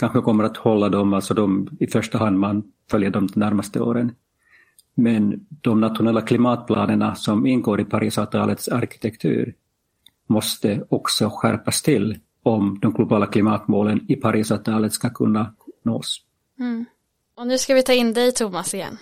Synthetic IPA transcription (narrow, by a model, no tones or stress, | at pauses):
kʰanɧəkʰɔmːəɾat̪hɔlːad̪ɔmalt̪sɔd̪ɔmɪfœʂʈaɦand̪man | fœljad̪ɔmd̪ɛmnæɾmast̪əo̰ːɾən | mɛnd̪̥ɔmnat̪ɧʊnɛlːakʰlɪmɑːt̪̚pʰlɑːnəɳasɔmɪnːɡoːɾɪpʰaɾiːsavt̪ʰɑ̰ːlət̪saɾkɪ̥t̪ʰɛkt̪ʰʉ̟̰ːɾ | mɔst̪əɔksɔɧæ̰ɾpast̪ʰɪlː | ɔmd̪ɔmɡlʊbɑːlakʰlɪmɑːt̪moːlənɪpʰaɾʔiːsat̪ʰɑːlət̪skakʰɵnːanoːs | ɔnʉ̟ːskavɪt̪ʰɑːɪnd̪ɛjt̪ʰumasɪjɛ̰nː